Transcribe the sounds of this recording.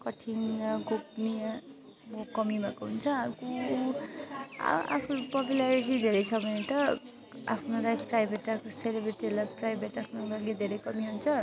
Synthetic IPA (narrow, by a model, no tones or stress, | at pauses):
kʌʈʰiŋɡop̚nia | mokʌmimakoɦunt͡sʰʌaɾko | a̰pʰupʌpjulaɾiʈ̬id̪ʱeɾʌjsʰʌbʌnet̪ʌ | a̰pʰnolajpʰprajbʱeʈːakselebɾeʈelajpʰprajbʱeʈːakʰnolaled̪ʱeɾʌjkʌmiɦunt͡sʰʌ